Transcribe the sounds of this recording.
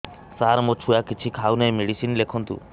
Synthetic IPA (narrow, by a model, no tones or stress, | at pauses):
saːɾmot͡ʃʰujakit͡ʃʰikʰaːunemeɽisinlekʰɔnt̪ṵ